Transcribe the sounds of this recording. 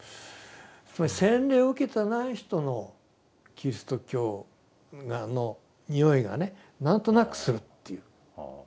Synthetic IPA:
sɨmaisẽnɾe̞ːoɯ̟ke̞t̪enaiçi̥t̪o̞no̞ | kʲiɾʲisɨ̥t̪o̞kʲo̞ː | ɡano̞ | ɲʲio̞iɡa̰ne̞ | nãnt̪o̞nakɯ̟̥sɨɾɯ̟t̪ːejɯ̟

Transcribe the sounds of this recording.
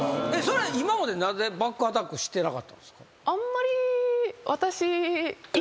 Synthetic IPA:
e̞so̞ɾe̞imamad̪e̞nãnze̞bakːɯat̪akːɯ̟ɕi̥t̪ːe̞naka̰t̪ːã̰nd̪esɨ̥ka | ãmːaɾʲiβʔat̪aɕi

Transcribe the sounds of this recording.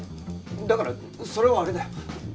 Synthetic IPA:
d̪akaɾa | soɾe̞βaːɾed̪ajo

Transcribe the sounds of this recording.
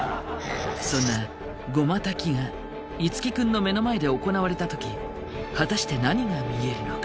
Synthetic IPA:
sõ̞nːa | ɡo̞mat̪akʲiŋa | it͡sɨ̥kʲikɯ̟̃nːo̞me̞no̞mae̞d̪e̞oko̞naβ̞aɾe̞t̪at̪o̞kʲi | hat̪aɕi̥t̪e̞naɲ̟iɡamʲie̞ɾɯ̟nokḁ

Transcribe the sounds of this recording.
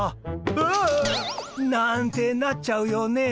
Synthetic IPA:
nãnt̪enat͡ʃawjone

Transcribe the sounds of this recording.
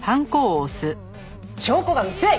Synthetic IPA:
hãŋkoːsɨ | ɕoːkoɡamɯsɨe

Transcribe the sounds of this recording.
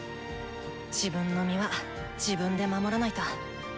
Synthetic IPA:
d͡ʑibɯ̟̃nːo̞mʲiβa | d͡ʑibɯ̟̃nd̪e̞mamo̞ɾanait̪a

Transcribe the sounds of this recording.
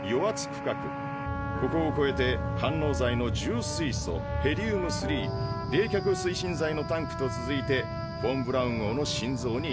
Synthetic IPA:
jo̞βat͡sɨ̥kɯ̥kakɯ̟̰ | ko̞ko̞ːko̞e̞t̪e̞hãnːo̞ːzaino̞d͡ʑɨːsiiso̞̰he̞ɾʲiɯːmɯ̟sɨɾʲiːd̪e̞ːkʲakɯ̟sɨiɕĩnd͡zaino̞t̪ãŋkɯ̥t̪o̞t͡sɨzɨit̪e̞ | b̥õ̞mbɯ̟ɾaɯ̟̃ŋoːno̞ɕĩnd͡zo̞ːɲ̟i

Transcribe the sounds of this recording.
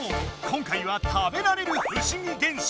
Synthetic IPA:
kʰʌŋkʰaiwat̪ʰabe̞naɾe̞ɾɯçɯɕiŋit̪enɕ

